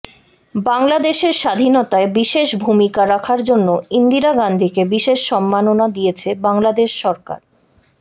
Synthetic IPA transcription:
baŋlad̪eʃeɾʃad̪ʱinɔt̪aebiʃeʃbʱumikaɾakʰaɾd͡ʑonːoind̪iɾaɡand̪ʱikebiʃeʃʃɔmːanonad̪ijet͡ɕʰebaŋlad̪eʃːɔɾka̰ɾ

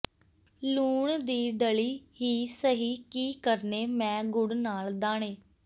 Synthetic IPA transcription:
luːɳd̪iːɖəliːɦiːsəɦiːkiːkəɾneːmɛ̃ːɡʊɽnaːld̪aːɳ̃eː

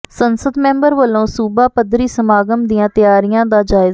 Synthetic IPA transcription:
sənsəd̪mɛ̃ːmbəɾʋəlːõːsuːbaːpəd̪ɾiːsəmaːɡəmd̪ɪjãːt̪ɪjaːɾijãːd̪aːd͡ʒaːɪz

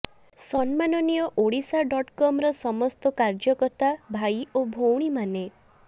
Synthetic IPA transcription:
sɔnmanɔnijɔʔoɽisaɖɔʈkɔmɾɔsɔmɔst̪ɔkaɾd͡ʒɔkɔɾt̪abʱajobʱowɽ̃imane

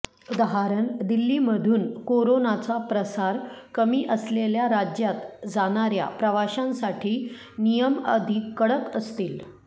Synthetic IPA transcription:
d̪əɦaɾənd̪ilːiːməd̪ʱuːnkoɾonat͡sapɾəsaɾkəmiːʔəsleljaɾad͡ʑjat̪d͡zaɽ̃aɾja̰pɾəʋaɕãnsaʈʰiː | nijəmə̰d̪ʱikːəɽəkəst̪iːl

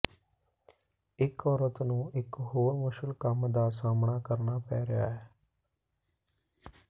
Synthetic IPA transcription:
ɪkɔːɾət̪nũːʔɪkɦoːɾmʊʃəlkəmd̪aːsaːmɳaːkəɾnaːpɛːɾɪja̰ːɦɛː

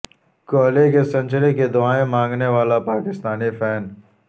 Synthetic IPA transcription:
koːlekesɐ̃nʲt͡ʃəleked̪ʊaːẽmãːŋɡneʋaːlapaːkɪst̪aːnipʰɛːn

